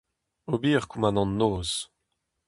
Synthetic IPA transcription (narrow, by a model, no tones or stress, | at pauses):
obiːʁkumanɑ̃nːoːz̥